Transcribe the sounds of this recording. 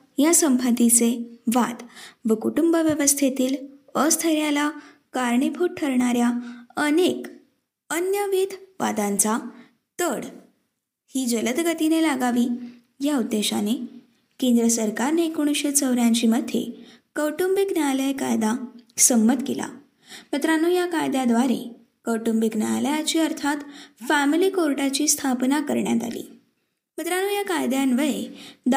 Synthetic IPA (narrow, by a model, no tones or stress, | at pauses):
jasəmpʰət̪it͡seʋat̪bəkuʈumbəʋjəʋəst̪ʰet̪iːləst̪ʰəɾjala | kaɾɳepʰoʈʈʰəɾɳaɾjaənek | ənjəʋid̪ʱʋa̰d̪ãnt͡sa | t̪əɽ | hiːd͡ʑələt̪ɡət̪inelaɡaʋiː | jaud̪ːeɕane | kẽnd̪ɾəsəɾkaɾneekuɳ̃ɕet͡səʋɾjãɲt͡ɕiːməd̪ʱːḛ | kəwʈumbiknaləjkajd̪asəmːət̪kela̰ | mət̪ɾanuːjakajd̪jad̪ʋaɾḛ | kəwʈumbikna̰ləjat͡ɕiːəɾt̪ʰat̪fæmiliːkoɾʈat͡ɕiːst̪ʰapnakəɾɳja̰t̪a̰lḭː | mət̪ɾanuːjakajd̪janʋəjed̪